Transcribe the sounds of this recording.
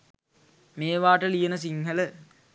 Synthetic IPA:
meːʋaːʈəlijənəs̬iŋhələ

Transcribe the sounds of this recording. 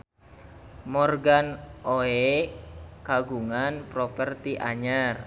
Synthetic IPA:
mɔrɡanoe | kaɡuŋanpɾɔpərt̪iʔaɲar

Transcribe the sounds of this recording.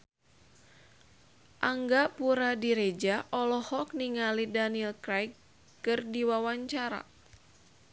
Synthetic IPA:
ʔaŋɡapuɾadiɾed͡ʒaʔɔlɔhɔk̚niŋalidaniɛlkɾajkː | ɨrdiwawaɲt͡ʃaɾa̰

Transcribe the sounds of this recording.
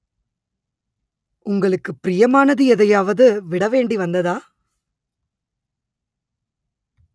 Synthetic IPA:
ʊŋɡɐɭɯkːɯpɪɾɪjɐmaːnɐðɯɛðɐjaːʋɐðɯʋɪɽɐʋeːɳɖiʋɐnd̪ɐðaː

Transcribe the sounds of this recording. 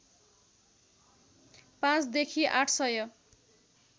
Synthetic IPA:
pãt͡sd̪ekʰiʔaʈʰsʌjʌ

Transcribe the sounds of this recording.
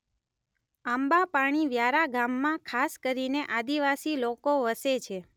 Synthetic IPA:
ambapaɽ̃iʋjaɾaɡamːãkʰaskəɾineʔad̪iʋasilokoʋəset͡ʃʰe

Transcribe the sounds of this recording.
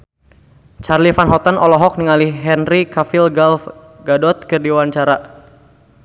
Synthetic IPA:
t͡ʃarlifanɦɔt̪anʔɔlɔɦɔk̚niŋaliɦɛnrikafilɡalf | ɡadɔt̪̚kɨrdiwaɲt͡ʃaɾa

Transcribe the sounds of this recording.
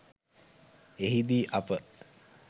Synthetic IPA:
eɦid̪iːʔapə

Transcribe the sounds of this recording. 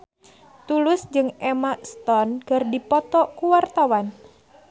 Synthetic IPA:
t̪ulʊsd͡ʒɨŋɛmast̪ɔnkɨrdipɔt̪ɔkuwart̪awan

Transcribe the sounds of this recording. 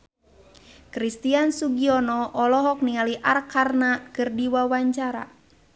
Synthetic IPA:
kɾist̪iansuɡiɔnɔʔɔlɔɦɔk̚nialiʔarkarnakɨrdiwawaɲt͡ʃaɾa̰

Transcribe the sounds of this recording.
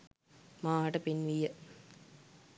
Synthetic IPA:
maːʈɐpɪnʋijɐ

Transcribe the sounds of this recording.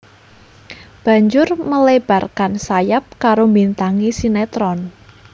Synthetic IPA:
b̥ä̤ɲd͡ʒʊrməleb̥a̤rkansajap̚kaɾombint̪aŋisinet̪ɾɔn

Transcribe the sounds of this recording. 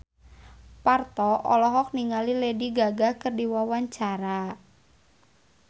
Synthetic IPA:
part̪ɔʔɔlɔɦɔk̚niŋalilediɡaɡahkərdiwawaɲt͡ʃaɾa

